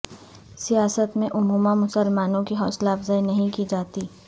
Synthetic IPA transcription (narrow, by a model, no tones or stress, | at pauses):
sijaːsət̪mẽʔʊmuːmamʊsəlmaːnõkiɦɔːslaːfzaːinɐɦĩkid͡ʒaːt̪iː